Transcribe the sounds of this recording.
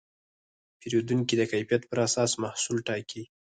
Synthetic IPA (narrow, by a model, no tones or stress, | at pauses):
peɾod̪uŋkid̪əkajfijat̪pəɾasɑsmahsulʈɑkʰi